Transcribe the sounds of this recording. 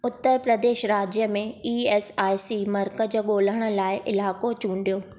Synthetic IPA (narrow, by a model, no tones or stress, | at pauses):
ʊt̪ːəɾpɾəd̪eːʃɾaːd͡ʑjəmẽiːeːsaːɪsimɐɾkəd͡ʑoːɠoːləɽ̃ə̆laːɪʔɪlaːkot͡ɕũːɳɖijoː